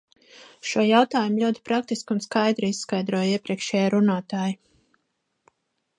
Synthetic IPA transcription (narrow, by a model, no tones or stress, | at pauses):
ʃuɔjawt̪aːjumlʲuɔt̪i̥pɾak̚t̪iskunskajd̪ɾiisːkajd̪ɾuɔjiɛpɾiɛkʃɛːjaɾunaːt̪aːji